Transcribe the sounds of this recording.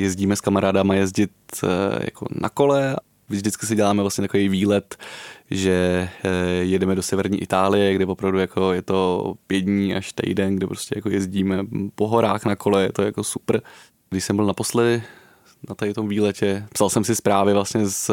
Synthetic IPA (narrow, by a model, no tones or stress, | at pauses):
jɛzɟiːmɛskamaɾaːdamajɛzɟɪt̪ja̰ko̞̰na̰ko̞lɛ | vʒdɪt͡skɪs̬ɪɟɛlaːmɛvlasɲɛt̪akovejviːlɛt̪ʒɛ | jɛdɛmɛdo̞sɛvɛɾɲiːʔɪt̪aːlɪjɛɡdɛvopɾavdujako̞jɛt̪o̞pjɛdɲiːʔa̰ʃt̪ɛ̰jdɛnɡdɪpɾo̞scɛjako̞jɛzɟiːmɛpoɦo̞ɾaːxnako̞lɛjɛt̪ojakosupr̩ | ɡ̥dɪʃsɛmbɪlnapo̞slɛdɪ | nat̪aɪt̪o̞mviːlɛcɛpsalsɛmsɪspɾaːvɪvlasɲɛs